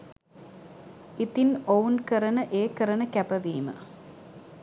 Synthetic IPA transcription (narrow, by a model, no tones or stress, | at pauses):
it̪ːinownkɐɾɐnɐʔeːkːɐɾɐnɐkɐpɐʋiːmɐ̰